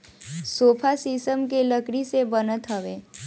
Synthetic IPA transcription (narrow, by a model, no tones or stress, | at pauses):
soːpʰasisəmkeləkɽisebənət̪ɦəʋeː